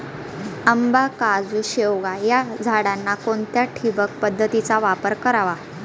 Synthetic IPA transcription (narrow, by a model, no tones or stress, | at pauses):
əmbakad͡zuɕewɡajad͡zʱaɽanːakont̪jaʈʰibək̚pəd̪ʱːət̪it͡saʋapəɾkəɾaʋa